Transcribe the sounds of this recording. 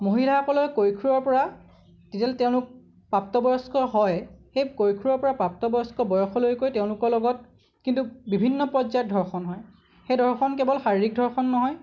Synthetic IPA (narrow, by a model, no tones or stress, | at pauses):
moɦilapɔlɔjkojkʰuɹɔɹpɔɹa | tetalteʊ̃lʊk̚ | pap̚tɔbɔjɔskɔɦɔjxejkojkʰuɹɔɹpɔɹapap̚tɔbɔjɔskɔbɔjɔxɔlojkojteʊ̃lʊkɔɹlɔɡɔt̚ | kintubibʱinːɔpɔzajɔt̚dʱɔɹxɔnɦɔj | xejdʱɔɹxɔnkɛbɔlxaɹiɹik̚dʱɔɹxɔnːɔɦɔj